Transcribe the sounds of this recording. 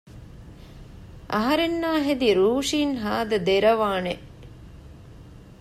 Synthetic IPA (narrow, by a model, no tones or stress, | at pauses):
a̰ɦɐɾenːaːɦed̪iɾuːʂiːnɦaːd̪əd̪eɾɐʋaːneʔ